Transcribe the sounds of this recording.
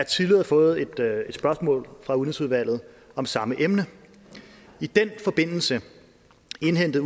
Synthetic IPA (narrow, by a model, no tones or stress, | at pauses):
æt͡sʰiðˠliðˠɐfɔ̽ːð̞̩ˠe̝d̥e̝d̥sb̥ɶɐsmɔ̰̽ːlfʁɑ̈uðˠnisuð̞ˠʋæl̰ð̩ˠ | ɒ̽msɑ̈məʔemnə | id̥en̰fɒ̽b̥e̝n̰l̩sə | e̝nɦen̰d̥ð̩ˠ